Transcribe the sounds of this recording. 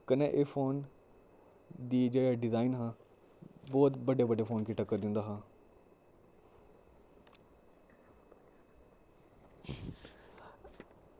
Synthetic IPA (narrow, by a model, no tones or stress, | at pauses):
kəneʔeːfʰoːn | d̪iːd͡ʒeːɽaːɖɪzaːɪnɦãː | bɔːt̪bəɖeːbəɖeːfʰoːnkɪʈakːəɾd̪ɪ̃nd̪aːɦãː